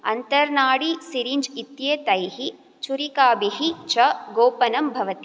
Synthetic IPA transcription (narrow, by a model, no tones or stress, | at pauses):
ɐnt̪ɐɾnaːɽisiɾiɲd͡ʒit̪jet̪ɐjɦi | t͡ʃuɾikaːbiɦit͡ʃɐɡoːpɐnɐmbʱɐʋɐt̪i